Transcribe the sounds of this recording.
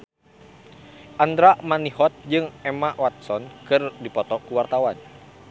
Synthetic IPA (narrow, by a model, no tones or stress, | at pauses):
ʔand̪ɾamanihɔt̪̚d͡ʒɨŋɛmaʔwat̪̚sɔnkɨrdipɔt̪ɔkuwart̪awan